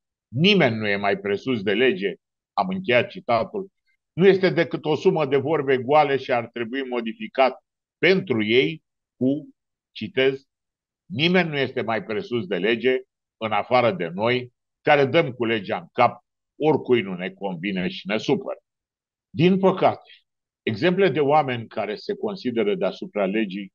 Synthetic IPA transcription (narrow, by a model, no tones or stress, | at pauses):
nime̞nʲːuje̞majpɾe̞susd̪e̞le̞d͡ʒe̞ | amɨŋkʲe̞jat̪̚t͡ʃit̪at̪ul | nuje̞st̪e̞d̪e̞kɨt̪o̞suməd̪e̞vo̞rbeeɡualeʃiart̪ɾe̞buimo̞d̪ifikat̪ | pe̞nt̪ɾuje̞j | ku | t͡ʃit̪e̞z | nime̞nʲːuje̞st̪e̞majpɾe̞susd̪e̞le̞d͡ʒe̞ | ɨnafaɾəd̪e̞no̞j | kaɾe̞d̪əmkule̞d͡ʒaɨŋkap̚ | o̞rkujnune̞ko̞nvineʃi̥ne̞supə̰ɾ | d̪inpəkat̪e̥ | eɡze̞mple̞d̪e̞oame̞nʲkaɾe̞se̞ko̞nsid̪e̞ɾəd̪e̞asupɾale̞d͡ʒij